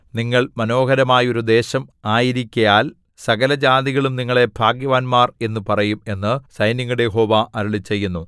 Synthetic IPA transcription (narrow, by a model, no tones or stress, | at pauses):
niŋːɐɭmɐno̞ːɡɐɾɐmaːjo̞ɾud̪e̞ːɕɐmaːjiɾikʲːɐjaːl | sɐɣɐlɐd͡ʑaːd̪iɣɐɭumniŋːɐɭe̞bʱaːɡjɐʋaːnmaːre̞nːɨpɐrɐjume̞nːɨsɐjniŋːuɽejeɦo̞ːʋaʔɐɾɐɭit͡ɕːe̞jːunːu